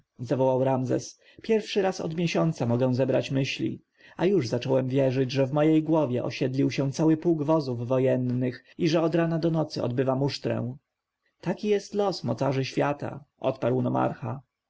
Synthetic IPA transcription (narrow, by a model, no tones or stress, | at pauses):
zavɔwawɾamzɛ̰s | pʲjɛɾfʂɘɾasɔ̰d̪mʲjɛɕɔnt̪samɔɡɛ̃zɛbɾat͡ɕmɘɕlʲḭ | ajuʐzat͡ʂɔwɛmvʲjɛʐɘd͡ʑʐɛvmɔjejɡwɔvʲjɛʔɔ̰ɕɛd̪lʲiwɕɛ̃nt̪sawɘpuwɡvɔzuvːɔjɛnːɘx | iʐɛɔd̪ɾanad̪ɔnɔt̪sɘɔ̰d̪̚bɘvamuʂt̪ɾɛ̰̃w̃ | t̪akʲijɛst̪lɔsmɔ̰t̪saʐɘɕfʲjat̪a̰ʔɔt̪paɾwnɔma̰ɾxa